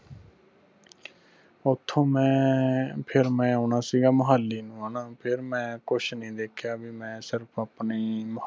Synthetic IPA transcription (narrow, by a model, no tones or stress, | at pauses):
ʊt̪ʰːõːmɛ̃ːpʰɪɾmɛ̃ːaʊnaːsiːɡaːməɦəlːiːnũːaːnaːpʰɪɾmɛ̃ːkʊʃnəĩːd̪eːkʰjaːbiːmɛ̃ːsɪɾpʰaːpniːm